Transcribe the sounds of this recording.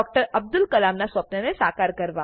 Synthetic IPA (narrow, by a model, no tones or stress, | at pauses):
ɔk̚ʈəɾəb̚d̪ʊlkəlamnasʋəpnjənesakaɾkəɾʋa